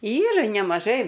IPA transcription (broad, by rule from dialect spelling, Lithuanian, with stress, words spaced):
ˈiːrɐ nʲɛmɐˈʒɐɪ